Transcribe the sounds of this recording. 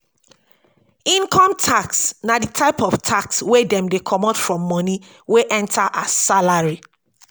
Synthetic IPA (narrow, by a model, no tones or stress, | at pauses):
ĩnkʰɔ̃mtʰaksnaditʰaɪpɔftʰakswedɛ̃mdekʰɔmɔtfɹɔ̃mːɔ̃ni | weʔɛ̃ntʰaʔasalaɹi